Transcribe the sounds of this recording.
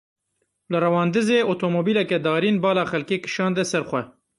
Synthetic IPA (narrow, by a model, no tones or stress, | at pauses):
lɨɾɐwɑːnd̪ɨzeːot̪ʰomoːbiːlɛkɛd̪ɑːɾiːnbɑːlɑːxɛlkeːkɨ̥ʃɑːnd̪ɛsɛɾxʷɛ